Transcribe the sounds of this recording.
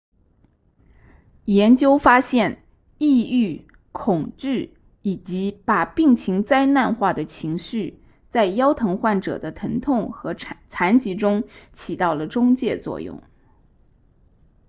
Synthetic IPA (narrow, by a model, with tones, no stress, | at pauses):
jɛ˧˥nt͡ɕjo˥ʊfa˥ɕjɛ˥˧n | i˥˧y˥˩ | kʰʊ˨˩ŋʈ͡ʂɻ̩˥˩ | i˨˩t͡ɕi˧˥pa˨˩pi˥˩ŋt͡ɕʰi˧˥ŋt͡sa˥ɪna˥˧nxwa˥˩d̪ə˩t͡ɕʰi˧˥ŋɕy˥˩ | t͡sa˥˩ɪjɑ˥ʊt̪ʰɤ˧˥ŋxwa˥˩nʈ͡ʂɤ̰˨˩d̪ə˦t̪ʰə˧˥ŋt̪ʰʊ˥˩ŋxɤ˧˥t͡sʰa˧˥nt͡ɕi˧˥ʈ͡ʂʊ˥ŋt͡ɕʰi˨˩t̪ɑ˥˩ʊlə˩ʈ͡ʂʊ˥ŋt͡ɕjɛ˥˧t͡swɔ̰˥˧jʊ̰˥˩ŋ